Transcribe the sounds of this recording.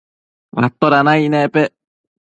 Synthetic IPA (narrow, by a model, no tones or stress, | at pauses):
βa̰t̪ːoɾanainepe